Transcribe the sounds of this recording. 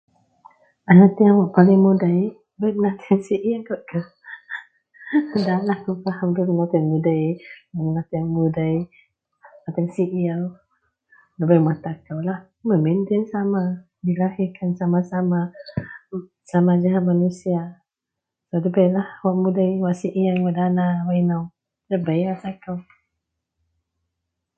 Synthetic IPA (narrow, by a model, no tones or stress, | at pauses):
anat̪iaŋwaʔpalɪŋmudaj | bajmənat̪iaŋsiʔiakɔʔkə | dalahkufahamduɾinat̪anmudajlamənat̪iaŋmudaj | mat̪ɛŋsiʔiaw | ləbajmat̪akawlah | məmind̪ɪnsama | dilahikansamasama | samad͡ʒaɦamanusia | sodəbajlahwaʔmudajwaʔsiʔiaŋaʔdanawainaw | dəbajwat̪akaw